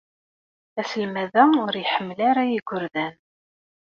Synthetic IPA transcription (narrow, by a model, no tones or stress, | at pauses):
æsəlmæðæʊɾjħəmːlaɾajiɡʷʊɾðæn